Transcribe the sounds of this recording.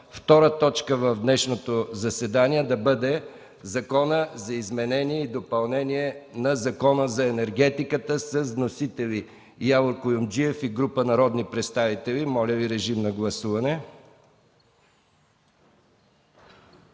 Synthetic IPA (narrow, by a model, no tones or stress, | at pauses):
ft̪ɔɾət̪ɔt͡ʃkəvɐvd̪nɛʃnot̪ozɐsɛd̪aniɛd̪ɐbəd̪ɛ | zɐkɔnəzɐizmɛnɛniɛid̪opɐlˠnɛniɛnɐzɐkɔnəzɐɛnɛɾɡ̟ɛt̪ikət̪əsəznosit̪ɛli | javoɾkojʊmd͡ʒiɛfiɡɾupənɐɾɔd̪nipɾɛt̪st̪avit̪ɛlimɔlʲəviɾɛʒimnɐɡlˠɐsuvɐnɛ